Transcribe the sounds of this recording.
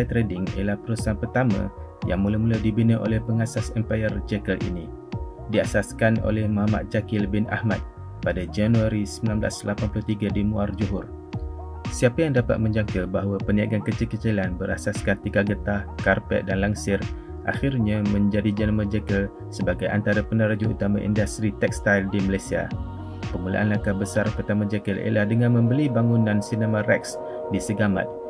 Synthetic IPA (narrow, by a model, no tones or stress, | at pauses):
t̪ɾɛdɪŋḭlahpəɾusanpərt̪amã̰ | jaŋmulamulawdibinəʔo̰lɛhpəŋasasɛmpajərd͡ʒɛkəlʔḭni | diasaskano̰lɛhmoɦama̰t̪̚d͡ʒakɪlbɪna̰hma̰t̪̚ | padad͡ʒanuaɾisəmbilambla̰slapanpluht̪iɡadimuard͡ʒuɦʊr | siapajaŋdapa̰t̪̚mə̃ɲd͡ʒaŋkabaɦwapəniaɡankət͡ʃəkət͡ʃilanbəɾa̰saskant̪ikaɡət̪ahkarpɛ̰ʔ̪̚danlaŋsɪr | ʔa̰xirɲamə̃ɲd͡ʒadid͡ʒənəməd͡ʒɛkəl | səbaɡajʔa̰nt̪aɾapənaɾad͡ʒuṵt̪amã̰ʔḭndast̪ɾit̪ɛk̚st̪ajldimalajsia̰ | pəmula̰ʔanlakabəsarpərt̪amãd͡ʒɛkəlḛlahdəŋãnmə̃mbəlibaŋunãnsinəmãrɛk̚s | disəɡamã̰t̪̚